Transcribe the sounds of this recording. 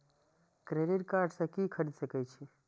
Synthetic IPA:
kɾeɖiʈkaːɾɖsɐ̃kikʰəɾɽid̪səkəjt͡ʃʰi

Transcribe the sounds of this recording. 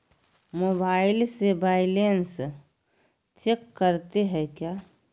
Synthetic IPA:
mobaːɪlsebaːɪlens | t͡ʃekːəɾt̪eɦɛkjaː

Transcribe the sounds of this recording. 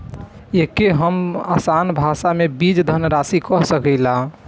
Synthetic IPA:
ekeɦəmasanbʱasamebid͡ʒd̪ʱənɾasikɔɦsəkəɪla

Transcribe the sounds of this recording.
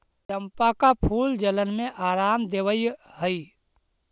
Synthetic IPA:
təmpakapʰuːld͡ʒələnmẽʔaːɾaːmd̪eːwəihəi

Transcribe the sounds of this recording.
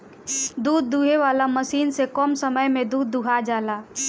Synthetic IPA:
d̪uːd̪ːuɦeʋaːlaməsiːnsekɔːmsəməjmẽd̪uːd̪ːuɦad͡ʒaːlaː

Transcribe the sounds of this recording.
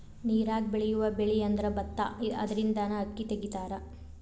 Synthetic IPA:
niːɾaːɡbeɭɛjuʋɐbeɭiɐnd̪ɐɾɐbɐt̪ːa̰ɐ̰d̪ɐɾind̪ɐnɐɐkːit̪eɡit̪aːɾɐ

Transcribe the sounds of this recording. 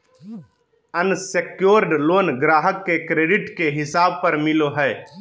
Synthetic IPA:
ənsekjoːɾɖloːnɡɾaːɦəkːekɾeːɖɪʈkeɦɪsaːb̚pəɾmɪloɦɛː

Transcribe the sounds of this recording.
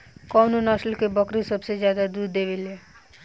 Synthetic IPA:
kɔnonʌslkebʌkɾisəbsed͡ʒjad̪ad̪uɾd̪ebele

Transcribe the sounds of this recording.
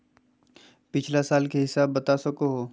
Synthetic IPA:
pɪt͡ʃʰlasaːlkeɦɪsaːbːɐt̪asɐkoɦoː

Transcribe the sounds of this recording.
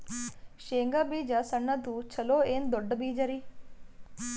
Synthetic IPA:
ʃeːŋɡaːbiːd͡ʒaːsəɳːaːt̪uːt͡ʃʰəloːeːnd̪ʊɖbiːd͡ʒaɾiː

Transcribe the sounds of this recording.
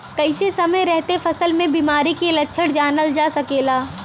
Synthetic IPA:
kɐɪsesɐməjɾɛɦt̪efɐsəlmẽbiːmaːɾikelɐtːʃʰəɽd͡ʒaːnəld͡ʒaːsɐkeːlaː

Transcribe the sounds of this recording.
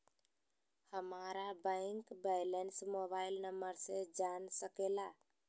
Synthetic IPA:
həmaɾabə̃ɪŋkbɛjlensmobailnəməɾsẽd͡ʒansəkela

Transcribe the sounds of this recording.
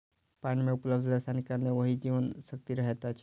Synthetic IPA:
pãɳmẽupləbd̪əsanikəɾneʋəɦid͡ʒiʋənsək̚t̪iɾəɦet̪at͡ʃʰ

